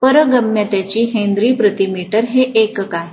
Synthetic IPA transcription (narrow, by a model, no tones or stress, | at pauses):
pəɾəɡəmjat̪jat͡ɕiːɦẽnd̪ɾiːpɾət̪imiʈəɾɦeʔekka